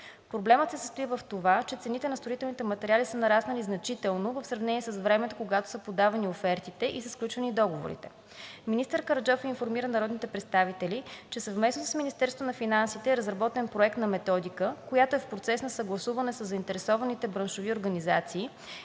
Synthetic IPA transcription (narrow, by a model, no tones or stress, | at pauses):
pɾoblɛmət̪sɛsə̥st̪oivɐft̪ovat͡ʃɛt̪sɛnit̪ɛnɐst̪ɾoit̪ɛlˠnit̪ɛmɐt̪ɛɾialisənɐɾasnəliznɐt͡ʃit̪ɛlˠnovɐfsɾɐvnɛniɛsəsvɾɛmɛt̪o̥koɡat̪o̥səpod̪avɐniofɛɾt̪it̪ɛʔisəsklʲut͡ʃvɐnid̪ɔɡovo̰ɾḭt̪ɛ̥ | minist̪əɾkəɾd͡ʒɔfinfoɾmiɾənɐɾɔd̪nit̪ɛpɾɛt̪st̪avit̪ɛlit͡ʃɛsɐvmɛsnosə̥sminist̪ɛɾst̪vonɐfinansit̪ɛɛɾəzɾɐbɔt̪ɛnpɾoɛk̚t̪nɐmɛt̪ɔd̪ikəkojat̪oɛfpɾot̪sɛsnɐsɐɡlˠɐsuvɐnɛsəzːəint̪ɛɾɛsɔvɐnit̪ɛbɾɐnʃovioɾɡɐnizat̪siː